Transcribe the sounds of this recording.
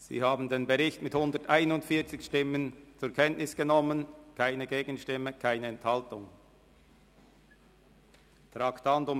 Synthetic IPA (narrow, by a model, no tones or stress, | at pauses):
z̥ḭːhaːbn̩deːnbəʁɪçtmɪthʊndətʔaɪnʊndfiːɐt͡sɪçʃtɪmənt͡sʊɐkʰɛntnɪsɡ̥ənɔmːənkʰaɪnəɡeːɡən̩ʃtɪməkʰaɪnəɛnthaltʊŋ | tʁaktantʊm